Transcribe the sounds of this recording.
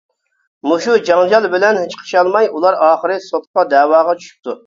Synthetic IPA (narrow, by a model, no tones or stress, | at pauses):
muʃud͡ʒɑŋd͡ʒɑlˠbɪlɛnhet͡ʃqʰə̥ʃɑlˠmɑjʔulˠɑɾɑːχəɾɨsot̪̚qɑd̪ɛːwɑːʁɑt͡ʃʰy̥ʃy̥p̚t̪ʰu